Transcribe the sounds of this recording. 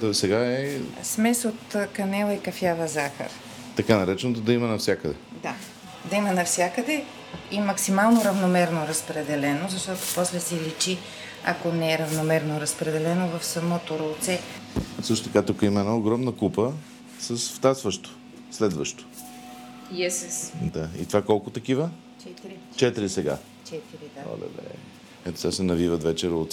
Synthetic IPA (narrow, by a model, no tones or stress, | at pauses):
sɛɡaɛsmɛsot̪kɐnɛlˠɐikɐfjavɐzaxə̰ɾ | t̪ɐkanɐɾɛt͡ʃɛnot̪od̪ɐimɐnɐfsʲjakəd̪ɛ | d̪a | d̪ɐimɐnɐfsʲjakəd̪ɛ | imɐksimalˠnoɾɐvnomɛɾnoɾɐspɾɛd̪ɛlɛnozɐʃt̪ɔt̪opɔslɛsɛlit͡ʃi | ɐ̰konɛɛɾɐvnomɛɾnoɾɐspɾɛd̪ɛlɛnovɐfsɐmɔt̪oɾolˠt̪sɛsɤʃt̪ot̪ɐkat̪ukəimɐɛnaoɡɾɔmnəkupə | səsft̪at̪svəʃt̪o̥ | slɛd̪vəʃt̪o̥ | iɛsɛsd̪aḭt̪ovakɔlˠkʊt̪ɐkivə | t͡ʃɛt̪iɾi | t͡ʃɛt̪iɾisɛɡa̰ | t͡ʃɛt̪iɾid̪ao̰lɛ̰d̪ɛ̰ | ɛt̪o̥t̪ʲasɛnɐvivət̪vɛt͡ʃɛɾolˠt̪s